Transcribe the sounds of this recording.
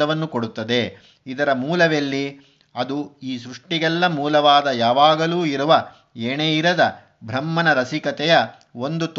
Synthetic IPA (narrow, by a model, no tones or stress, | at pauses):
ɐʋɐnːukoɽut̪ːɐd̪e̞ | id̪ɐɾɐmuːlɐʋelːi | ɐd̪uiːs̬ɾuʂʈiɡɛlːɐmuːlɐʋaːd̪ɐjaːʋaːɡɐluːiɾuʋɐ | eːneːiɾɐd̪ɐ | bʱɾɐmːɐnɐɾɐsikɐt̪ɛjɐ | o̞nd̪ut̪